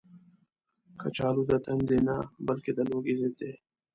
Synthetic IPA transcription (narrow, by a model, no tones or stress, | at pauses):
xɐ̰t͡ʃʰaːluːd̪ɐt̪ʰɐnd̪eːnaːbɐlked̪ɐloːɡiːzeːt̪e